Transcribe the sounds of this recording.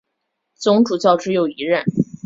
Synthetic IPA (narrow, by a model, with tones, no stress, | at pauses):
t͡sʊ˧˥ŋʈ͡ʂu˨˩t͡ɕɑ˥˧ʊʈ͡ʂɻ̩˥jo˥˩ʊi˧˥ɻə˥˩n